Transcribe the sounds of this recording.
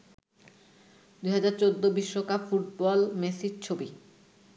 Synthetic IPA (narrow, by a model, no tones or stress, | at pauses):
d̪ujɦad͡ʑaɾt͡ɕod̪ːobiʃːokapfuʈ̚bɔlmesid͡ʑt͡ɕʰobi